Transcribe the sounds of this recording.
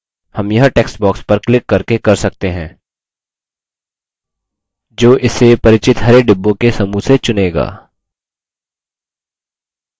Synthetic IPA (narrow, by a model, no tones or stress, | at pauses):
hɐmjɐɦʈeːksbɔːkspɐɾklɪkːɐɾkekɐɾsɐk̚t̪eɦɛ̃ː | d͡ʒoːʔɪsepɐɾɪt͡ʃɪt̪ɦɐɾeɖɪbːõkesɐmuset͡ʃʊneːɡa̰ː